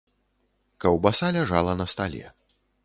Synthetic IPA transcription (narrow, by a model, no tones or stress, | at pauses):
kɐwbasalʲaʐalˠɐnɐst̪alʲɛ̰